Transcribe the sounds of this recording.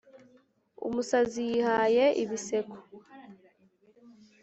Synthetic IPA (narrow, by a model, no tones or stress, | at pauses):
ṵmusazijihajeʔḭβise̞ko̥